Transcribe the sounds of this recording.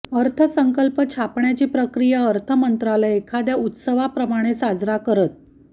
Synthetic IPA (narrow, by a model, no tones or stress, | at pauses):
əɾt̪ʰəsəŋkəlpət͡ɕʰapɳjat͡ɕiːpɾəkɾijaəɾt̪ʰəmənt̪ɾaləekʰad̪jaut̪səʋapɾəmaɽ̃esad͡zɾakəɾət̪̚